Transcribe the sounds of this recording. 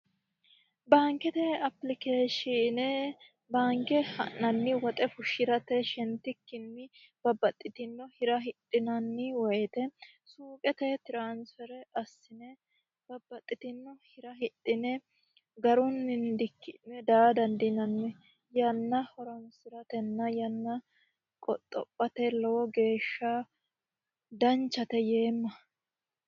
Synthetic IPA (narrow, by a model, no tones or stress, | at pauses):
baːŋkɛt̪ɛɐplɪkeːʃinɛ | baːŋkɛhɐ̰nːɐnːɪwɔt̪ʼɛfʊʃɪɾɐt̪ɛʃɛnt̪ːɪkːɪnːɪ | b̥ɐbːɐt̪ʼːɪt̪ɪnːɔhɪɾɐɦɪt̪ʼːɪnɐnːɪwɔjɛt̪ɛsuːkʼɛt̪ɛt̪ɪɾansfɛɾɛɐsːɪnɛ | b̥ɐbːɐt̪ʼːɪt̪ɪnːɔhɪɾɐɦɪt̪ʼːɪnɛ | ɡɐɾʊnːɪnd̪ɪkːɪnɛd̪aːd̪ɐnd̪ɪnɐnːɛ | jɐnːɐhɔɾɔnsɪɾɐt̪ɛnːɐjɐnːɐ | kʼɔt̪ʼːɔpʼːɐt̪ɛlɔwɔɡe̞ːʃːɐ | d̪ɐnt͡ʃːɐt̪ɛje̞ːmːɐ